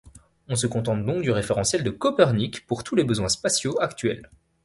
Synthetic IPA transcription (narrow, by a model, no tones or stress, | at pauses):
ɔ̃s̬əkɔ̃t̪ɑ̃t̪̚d̪ɔ̃k̚d̪yʁefeʁɑ̃sjɛld̪əkɔpɛʁnikpuʁt̪ulebəzwɛ̃spasjoakt̪ɥɛ̰l